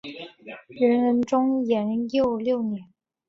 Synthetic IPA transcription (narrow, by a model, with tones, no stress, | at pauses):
ɻə˧˥nɻə˧˥nʈ͡ʂʊ˥ŋjɛ˨˧˥njo˥˧ʊljo˥˩ʊnjɛ˧˥˦n